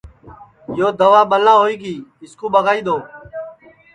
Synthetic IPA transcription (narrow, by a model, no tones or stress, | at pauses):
joːd̪əʋaːɓəlãːɦoːiːɡiːɪskuːɓəɣaːiːd̪oː